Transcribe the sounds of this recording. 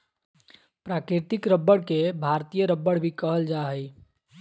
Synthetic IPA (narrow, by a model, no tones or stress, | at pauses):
pɾakɾiɾt̪ikɾəbːəɽkebʱaɾt̪ijəɾəbːəɽbʱikəɦəld͡ʒaɦəj